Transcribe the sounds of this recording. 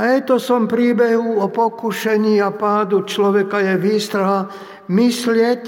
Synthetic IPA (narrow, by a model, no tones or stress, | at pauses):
aɛt̪ɔsɔmpɾiːbɛɦuɔpɔkuʃɛɲiapaːd̪ut͡ʃlɔʋɛkajɛʋiːst̪ɾaɦa | mislɪɛc